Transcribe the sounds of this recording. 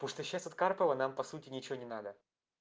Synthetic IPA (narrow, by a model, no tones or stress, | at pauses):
puʂt̪oɕːasɐt̪karpəvənampɐsutʲɪnʲɪt͡ɕɪvonʲɪnad̪ə